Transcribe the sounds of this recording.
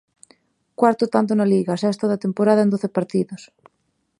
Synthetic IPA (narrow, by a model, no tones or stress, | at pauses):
kwaɾt̪ot̪ant̪̬onaliɣasɛst̪oðat̪empoɾaðaend̪oθepaɾt̪iðos